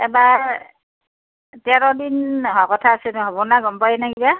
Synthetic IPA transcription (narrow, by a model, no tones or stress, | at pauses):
ɛbaɹɹ | tɛɹɔdinɦɔkɔtʰaːsɛnɦɔbɔnaɡɔmpajɛnaɡiba